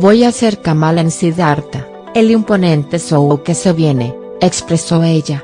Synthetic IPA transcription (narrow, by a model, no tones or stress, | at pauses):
bojaseɾkamalensiðaɾt̪a | eliumponẽnt̪esowowkeseβjene | ekspɾesoeʎa